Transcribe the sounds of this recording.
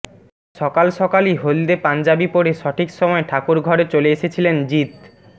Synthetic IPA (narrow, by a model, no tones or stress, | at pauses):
ʃɔkalʃɔkaliɦold̪epand͡ʑabipoɾeʃɔʈʰikʃɔmɔeʈʰakuɾɡʱɔɾet͡ɕoleeʃet͡ɕʰilend͡ʑit̪